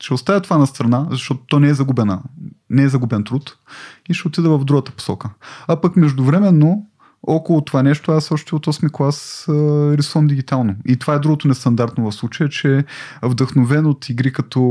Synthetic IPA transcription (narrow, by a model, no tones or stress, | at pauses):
ʃɛost̪avjɛt̪ovanɐst̪ɾɐnazɐʃt̪ɔt̪ʊ̥t̪ɔnɛɛzɐɡubɛnənɛɛzɐɡubɛnt̪ɾut̪ | iʃɛot̪id̪ɛvɐvd̪ɾuɡət̪ə̥po̥sɔkəapəkmɛʒd̪ʊvɾɛmɛnːo | ɔkolˠot̪ovanɛʃt̪oasɔʃt̪ɛot̪ɔsmiklˠasəɾisuvəmd̪iɡʲit̪alˠnoit̪ovaɛd̪ɾuɡot̪onɛst̪ɐnd̪aɾt̪novɐfslˠut͡ʃəjət͡ʃɛvd̪əxnovɛnot̪ʰiɡɾikɐt̪ɔ